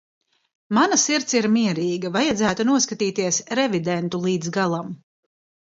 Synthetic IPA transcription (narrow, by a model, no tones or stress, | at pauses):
manasiɾt̪siɾmiɛɾiːɡɐvajad̪zæːt̪unuɔskat̪iːt̪iɛsɾɛvid̪ɛnt̪ulˠiːd̪zɡalˠam